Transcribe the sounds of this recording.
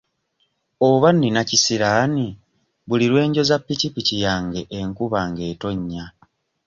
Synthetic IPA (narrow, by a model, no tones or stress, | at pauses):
oβanːinacisiɾaːni | βuliɾwe̞ːɲɟo̞zapːicipicijaːŋɡe̞ʔeŋkuβaŋɡe̞ːto̞ɲːa